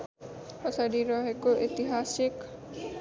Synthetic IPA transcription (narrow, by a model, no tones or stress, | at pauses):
pɔsaɽiɾɔɦekoʔet̪iɦasik